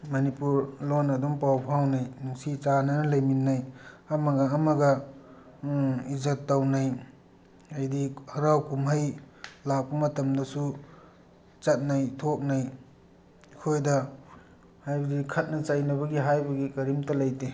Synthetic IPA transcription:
mɐnipuɾlonɐdumpawpʰawnajnuŋsit͡ʃanɐnɐlɐjminːajɐmɐɡɐːmɐɡɐ | izɐtːawnaj | ajdihɐɾawkumɦɐj | lak̚pɐmɐtɐmdɐsu | t͡ʃɐt̚najtʰok̚naj | kʰojdɐ | hajbɐdikʰɐt̚nɐt͡ʃajnɐβɐɡiɦajbɐɡikɐɾimtɐlɐjte

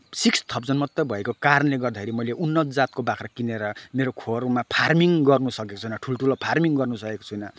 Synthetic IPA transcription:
sikst̪ʰʌpd͡zʌnmʌt̪ːʌbʱʌekokaɾʌnleɡʌrd̪akʰeɾimʌjleʔunːʌt̪ʰd͡zat̪̚kobakʰɾʌkineɾʌmeɾokʰormapʰarmiŋɡʌrnusʌkeko̥t͡sʰujnʌʈʰulʈʰulʌpʰarmiŋɡʌrnusʌkeko̥t͡sʰujnʌ

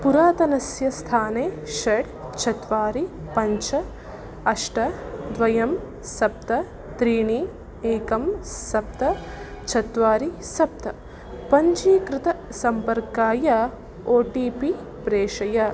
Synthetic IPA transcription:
puɾaːt̪ɐnɐsjɐst̪ʰaːneːʃɐɽ | t͡ʃʰɐt̪ʋaːɾipɐɲt͡ʃɐ | ɐʂʈɐd̪ʋɐjɐm | sɐp̚t̪ɐ | t̪ɾiːɳi | eːkɐmsɐp̚t̪ɐ | t͡ʃʰɐt̪ʋaːɾisɐp̚t̪ɐ | pɐɲt͡ʃiːkɾɪt̪ɐsɐmpɐɾkaːjɐ | oːʈiːpi | pɾeːʂɐjɐ

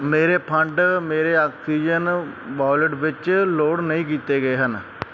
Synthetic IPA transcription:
meːɾeːpʰə̃ɳɖmeːɾeːaːksiːd͡ʒənʋaːləʈʋɪt͡ʃloːɽnəĩːkiːt̪eːɡəeːɦən

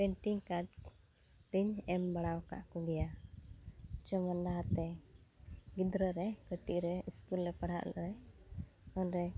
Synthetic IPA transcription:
pɛɳʈiŋkaʈ | ɾiɲɛmbaɽ̃awka̰ʔkɔɡɛja | t͡ʃɔmandaɦat̪ɛ | ɡid̪ɾəɾɛkəʈiʔɾɛiskulɾɛpaɽ̤a̰ʔlɔ̰ɾɛ | ɔnɾɛ

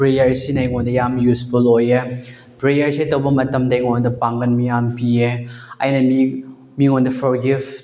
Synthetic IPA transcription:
pɾejɐɾsinɐjŋondɐjamjuspʰuloje | pɾejɐɾsetɐwbɐmɐtɐmdɐjŋondɐpaŋɡɐnmijampieɐ̰jnɐmi | miŋondɐpʰɔɾɡif

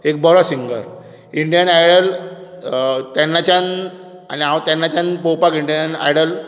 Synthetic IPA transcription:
ek̚bɔɾɔsiŋɡə̰ɾ | iɳɖijənajɽəl | t̪ɛnːat͡ɕan | a̰niawt̪jãnːat͡ɕanpowpakiɳɖjəna̰jɽəl

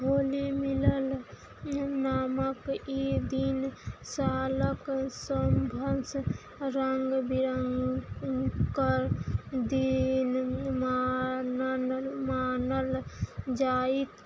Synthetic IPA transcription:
ɦoːlimiləl | naːməkid̪insaːləksəmbʱəns | ɾəŋɡbiɾəŋɡ | kəɾd̪inmanənmaːnəld͡ʒaːit̪

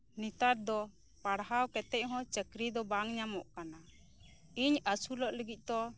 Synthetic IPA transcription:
nit̪aɾd̪ɔ | paɽɦawkɛt̪ɛc̚ˀɦɔ̃t͡ʃəkɾid̪ɔbaŋɲamɔʔkana | iɲasulɔʔləɡic̚ˀt̪ɔ

